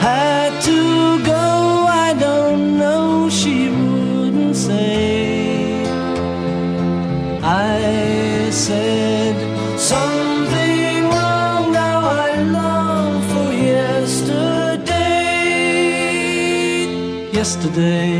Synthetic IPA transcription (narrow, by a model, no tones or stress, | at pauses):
ha | d̚tʰɨ | ɡoʊaɪdõʊ̃nːoʊʃiwʊ | dⁿn̩tseɪ | ʔa | ɪ | sɛ | d | sʌ̃m | θɪ̃ŋ | ɹɔ | ŋnaʊaɪlʌ | ŋfə˞jɛstə˞de | jɛstə˞deɪ